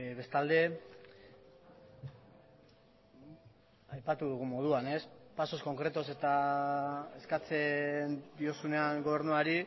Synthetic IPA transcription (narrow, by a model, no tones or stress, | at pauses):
βe̞st̪ald̪e̞ | ajpat̪uðuɣ̞umo̞ð̞uane̞spaso̞sko̞ŋkɾe̞t̪o̞se̞t̪a | e̞skat͡se̞nd̪io̞sune̞aŋɡo̞β̞e̞ɾnuaɾi